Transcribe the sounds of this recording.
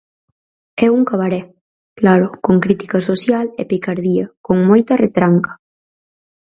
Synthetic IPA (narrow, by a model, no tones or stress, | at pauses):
ɛuŋkaβaɾɛ | klaɾʊkoŋkɾit̪i̥kasosjalepikaɾðiakoŋmojt̪aret̪ɾaŋkḁ